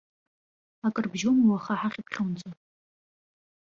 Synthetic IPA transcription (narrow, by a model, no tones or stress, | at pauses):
akʼɨrbʒomwaχaħaχʲipʰχʲownt͡sʼatʼ